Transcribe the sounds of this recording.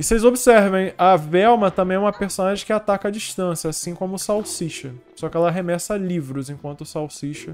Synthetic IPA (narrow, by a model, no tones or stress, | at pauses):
ɪsejzobɪsɛɾvẽj̃ɐvɛwmɐt̪ɐ̃mbẽj̃ɛũmɐpeɾsonaʒẽkɪat̪akɐad͡ʒiʃt̪ɐ̃sijɐasĩkõmʊsawsiʃɐsɔkɪɛlɐɦemɛsɐlivɾʊzẽkwɐ̃nt̪ʊsawsiʃɐ